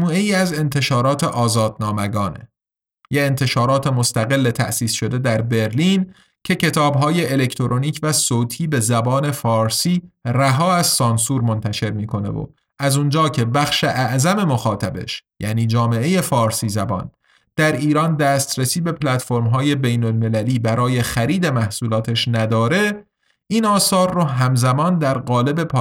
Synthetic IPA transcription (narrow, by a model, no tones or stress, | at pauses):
muːe̞jiːæze̞nt̪ʰe̞ʃɒːɾɒːt̪ʰeʔɒːzɒːd̪̚nɒːmæɡɒːnḛ | jeent̪ʰe̞ʃɒːɾɒːt̪ʰe̞most̪æɣe̞lːet̪ʰæ̰ʔsiːsʃo̞d̪e̞d̪æɾbe̞ɾliːn | cʰe̞cʰe̞t̪ʰɒːbɦɒːje̞ːle̞cʰt̪ʰoɾʔoniːcʰvæsoːt̪ʰiːbe̞zæbɒːne̞fɒːɾsiːræɦɒːæz̥sɒːnsuːɾmo̞nt̪ʰæʃe̞ɾmiːkʰo̞ne̞̰vo̰ | ʔæzund͡ʒɒːcʰe̞bæxʃe̞ʔæʔzæme̞moxɒːt̪ʰæbe̞̰ʃjæ̰niːd͡ʒɒːme̞e̞je̞fɒːɾsiːzæbɒ̰ːn | d̪̥æɾiːɾɒːnd̪æːst̪ɾesiːbe̞pʰlæt̪fo̞ɾmɦɒːje̞bejnolme̞læliːbæɾɒːje̞xæɾiːd̪e̞mæhsuːlɒːt̪ʰeʃnæd̪ɒːɾe̞ | ʔiːnɒːsɒːɾːoɦæmzæmɒːnd̪æɾɢɒːle̞be̞pʰː